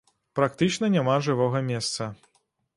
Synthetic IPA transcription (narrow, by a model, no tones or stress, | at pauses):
pɾak̚t̪ɨt͡ʂnɐnʲamaʐɨvɔɣɐmʲɛst̪sɐ